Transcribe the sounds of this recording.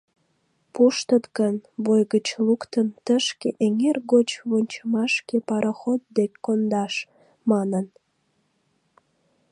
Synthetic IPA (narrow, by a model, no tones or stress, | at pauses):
puʃt̪ət̪ɣənβojɣət͡ɕlukt̪ənt̪əʃkeʔeŋerɣot͡ɕβonʲt͡ɕəmɑʃkepɑɾəxot̪̚d̪ekʲkːond̪ɑʃ | mɑnən